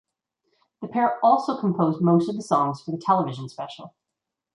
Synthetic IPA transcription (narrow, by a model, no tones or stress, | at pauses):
ðɨpʰɛɹɔlˠsoʊkʰm̩pʰoʊzmoʊstʌvðɨsɔ̃ŋz̥fə˞ðɨtʰɛlˠəvɪʒɨ̃n̩spɛʃl̩ˠ